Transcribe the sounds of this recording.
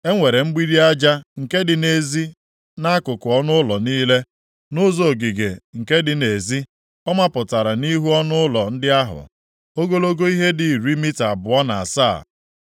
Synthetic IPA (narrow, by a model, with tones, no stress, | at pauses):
e˦ŋʷe˨ɾe˨m̩˦ɡ͡bi˦ɾi˦a˦d͡ʒa˦ŋ̩˨ke˦dɪ˨ne˨zi˦ | na˦kʊ˨kʊ˨ɔ˦nʊ˦lɔ˨niː˦le˦ | nʊ˦zo˨ɡi˨ɡe˨ŋ̩˨ke˦dɪ˦˨ne˨zi˦ | ɔ˦ma˦pʊ˨ta˨ɾa˨ni˦ɦu˦ɔ˦nʊ˦ʊ˦lɔ˨n̩˦dɪ˦a˦ɦʊ̰˨ | o˦ɡo˦lo˦ɡo˦i˦ɦe˦di˨i˨ɾi˦mi˦ta˨bʊ˨ɔ˦na˨a̰˨sa̰ː˦˨